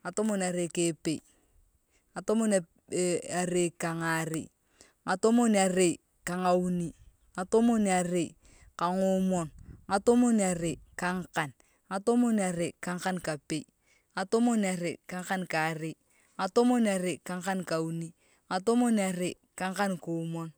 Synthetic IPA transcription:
ŋa˨to˦mɔ˦na˨ɾe˨ke˨˦pe˨ | a˨to˦mo˦n˨ | a˨ɾe˨ka˨ŋa˨ɾḛ˨ | ŋa˨to˦mo˦na˨re˨ | ka˨ŋa˨u˦ni˦ | ŋa˨to˦mo˦n˨a˨ɾe˨ | ka˨ŋo˦mɔ˨nŋa˨to˦mo˦n˨a˨ɾe˨ka˦ŋ˦ka˨n | ŋa˨to˦mo˦na˨ɾe˨ka˦ŋ˦ka˦nka˨pe˨i | ŋa˨to˦mo˦na˨ɾe˨ka˨˦ŋ˦ka˦nka˨ɾe˨ | ŋa˨to˦mo˦na˨ɾe˨ka˨ŋka˦nka˨u˦ni˦ | ŋa˨to˦mo˦na˨ɾe˨ | ka˦ŋ˦ka˦nko˨˦mɔ˦n

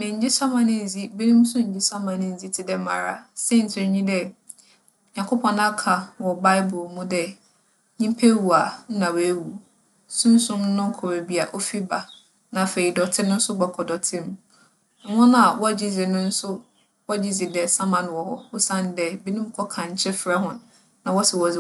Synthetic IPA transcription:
mɪ̃˨ɲ˦d͡ʑɪ˦sa˦mã˨nɪ̃˦n̩˨zi˦be˦nũ˦m˦sʊ̃˦ɲ̩˨d͡ʑɪ˦sa˦mã˨nɪ̃˦n̩˦zi˦tʰɪ˦dɛ˦ma̰˨ɾa̰˨sɛ˦n̩˨tʰɪ˨˦ɲĩ˦dɛ˦ | ɲã˨ŋkʰo˦pʰɔ̃˨nã˦kʰa˨wɔ˨ba˦ɪ˦bʊ˨lmũ˦dɛ˦ | ɲĩ˦m˦pʰæ˦wu˨a˨n̩˦nã˨we˦wu˨ | sũ˦n˦sʊ̃˦m˦nʊ̃˦ŋ˦kʰɔ˨ɾe˨bi˦a˨ʔo˦fi˦ba˨ | nã˨fe˨i˨dɔ˨tʰɪ˦nʊ̃˦n̩˦sʊ˦ɡ͡ba˨kʰɔ˨dɔ˨tʰɪ̃˦m̩˨˦ | wɔ̃˦nã˨wɔ˦˨d͡ʑi˦d͡zi˨nʊ̃˦n̩˦sʊ˦ | wɔ˦˨d͡ʑi˦d͡zi˨dɛ˨sa˦mã˨n˨wɔ˨hɔ˦ʊ˦sã˦ndɛ˦bi˦nũ˦m˦kʰɔ˦kʰã˨ɲ̩˨˦t͡ɕʰɛ˦fɾa˦hʊ̃˨n | nã˨wɔ˦sɛ˨wɔ˨zɪ˨

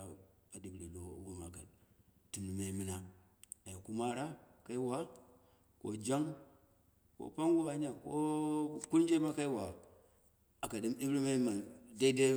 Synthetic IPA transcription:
a˨a˨di˨bli˨lo̰˨˦ɡu˦ma˨ka̰˨dti˨nu˨me˨˦mi˦na˦ | a˨ji˨ku˦ma˦ɾa˦ka˦i˦wa˨˦ | ko̰˨d͡ʒa˦ŋ | ko̰˨pa˦ŋɡu˦ba˨˦ɲa˨ko˦ku˦ɾd͡ʒe˦ba˦ka˦i˦wa˨ | a˨ka˨di˦mi˦bɾi˦me˦ma˨de˦i˦de˦

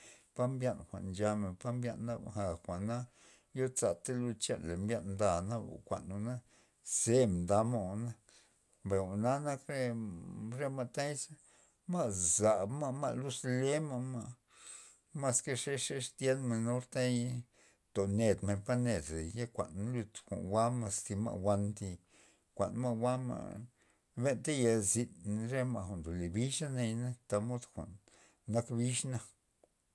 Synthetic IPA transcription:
pa˦mbja˦˧nxʷa̰˨ʔnd͡ʒa˧me˨pa˦mbja̰˧nːa˦bxa˨xʷa˨ʔna˦ | jo˦t͡sa˨t̪e˦lu˧t͡ʃa̰˧nle˨mbja˧nnd̪a˧˨na˦b̰kʷa̰˨ʔnu˧na˦ | z̥e˦m˨nd̪a˧ma˧˨na˦ | be˨u˨na˦na˦kɾe˦ | ɾe˧ma˧t̪a˦jsa˦ | ma˦˧za˨bma˧ma̰˦˧lu˦sle˦ma˧ma˧ | ma˧ske˦˧ʂe˦ʂe˦ʂt̪je˦nma˧no˦ɾt̪a˦j | t̪o˨ne˨d̪me˧˨pa˦ne˨d̪e˨ja˦kʷa̰˨nlu˧t̪kʷa̰˨nwa˦ma˧st̪i˧ma̰˧ʔwa˧nt̪i˧ | kʷa̰˨nma˦wa˦ma̰˧˨ | be˦nt̪a˦ja˧zi˧nɾe˦ma˧xʷa˨nd̪o˨le˨bi˦ʂa˦na˧jna˦t̪a˧mo˦d̪xʷa̰˨ʔnː | a˦kbi˦ʂna˧

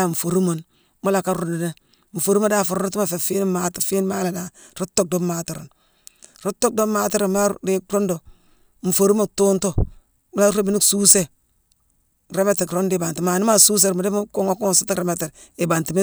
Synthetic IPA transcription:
a˦˨ɱ̩˨fo˨ɾu˦mo˨n | mu˦la˨ka˦ɾo˦ndne˦ | ɱ̩˨fo˨ɾu˦mo˦da˦fu˨ɾɾo˦ta˦fe˨fi˦n˦ma˦ti˨fi˦n˦ma˦la˨da˨ | ɾo˦tːo˦k̚do˦ma˦ti˨ɾo̰˨n | ɾo˦tːo˦k̚do˦ma˦ti˦ɾo˨nm˦a˦de˦ɾo˦ndo˨ | ɱ̩˨fo˨ɾu˦mo˦˨to˦nto˦˨ | mu˦la˦ɾe˦bi˦ni˦ksu˦se˨ | ɾe˦me˦te˨kɾo˦ndi˦˨ba˨nti˨ma˨ni˦ma˦su˦s̬e˨ɾma˨de˦mu˦ko˦ŋo˦ku˦ŋ˨si˦ti˦kɾe˨me˦te˨ɾ | i˨ba˨nti˨me˦

